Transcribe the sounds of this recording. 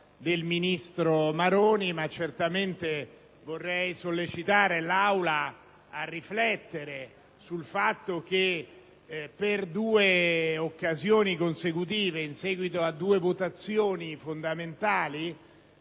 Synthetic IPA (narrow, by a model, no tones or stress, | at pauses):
d̪elminist̪ɾomaɾoːnimat͡ʃːert̪ament̪e | vorːɛjsolːet͡ʃit̪aːɾelawlaː | rːiflɛt̪ːeɾe | sulfat̪ːok̟e | pːerd̪uːeokːazjoːnikonsekut̪̬iːveinsɛːɡwit̪oad̪ːuːevot̪at̪sːjoːnifond̪ament̪aːli